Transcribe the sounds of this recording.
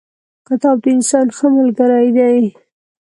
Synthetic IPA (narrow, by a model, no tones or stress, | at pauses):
kat̪ɑw̚t̪əɪnsɑnxəmalɡəɾaid̪ai